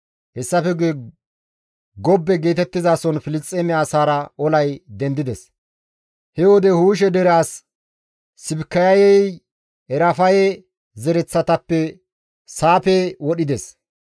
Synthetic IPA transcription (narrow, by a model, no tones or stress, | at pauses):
hɛsːɐfɛɡe | ɡɔbːɛɡe̞ːt̪ɛt̪ːɪzaːsɔnfɪlɪt͡sʼːeːmɪaːsaːɾɐʔɔlɐjd̪ɛnd̪ɪd̪ɛs | hɛwɔd̪ɛhuːʃ̬ɛd̪ɛɾaːsː | ɪbkːɐjɐjɛj | ɛɾɐfɐjɛ | zɛɾɛt͡sːɐt̪ɐpːɛ | saːpɛwɔɗɪd̪ɛs